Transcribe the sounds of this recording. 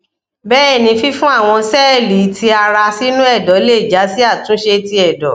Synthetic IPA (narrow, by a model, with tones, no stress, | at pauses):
bɛː˦e˦˨nĩ˧fi˦fũ˦a˦˨w̃ɔ̃˧sɛ˦˨li˨˦tʰi˧a˧ɾa˧si˦nũ˦ɛ˦˨dɔ˨˦le˦˨d͡ʒa˨˦si˦a˦˨tũ˨˦ʃe˧ti˧ɛ˨dɔ˨˦